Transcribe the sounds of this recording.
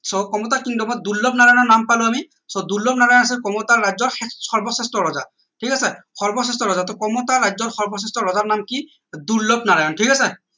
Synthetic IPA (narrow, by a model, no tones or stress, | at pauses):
sɔkɔmɔtakintumɔjduɹlɔb̚naɹajɔnɔɹnampalʊami | sɔduɹlɔb̚naɹajɔnas̬ɛkɔmɔtaɹɹajzɔɹxʰɛɔɹbɔsɛstɔɹɔza̰ | tʰikasɛxʰɔɹbɔsɛstɔɹɔzatɔkɔmɔtaɹajzɔɹxɔɹbɔsɛstɹɔɹɔzaɹnamki | duɹlɔb̚naɹajɔntʰikasɛ